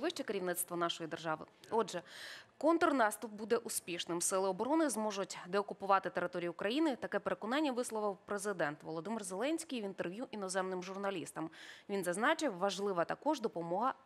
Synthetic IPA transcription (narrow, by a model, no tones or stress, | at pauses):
ʋɪʃt͡ʃɛkeɾʲiwnɪt̪st̪ʋɔnɑʃɔjid̪erʒɑʋɪ̰ɔdʒɛkɔnt̪ɔrnɑst̪ʊp̚bud̪ɛʔʊspʲiʃnɪmsɪlˠɪɔbɔɾɔnɪzmɔʒʊtʲd̪ɛɔkʊpʊʋɑt̪ɪt̪eɾɪt̪ɔɾʲijʊkɾɐjinɪt̪ɐkɛpeɾekɔnɑnʲːɐʋɪslˠɔʋɪwpɾezɪd̪ɛnt̪ʋɔ̰lˠɔd̪ɪmɪrzelˠɛnʲsʲkʲijʋʲint̪erʋʲjuʔinɔzɛmnɪmʒʊrnɐlʲḭst̪ɐmʋʲinzɐznɑt͡ʃɪwʋɐʒlˠɪʋɐt̪ɐkɔʒd̪ɔpɔmɔɦɐ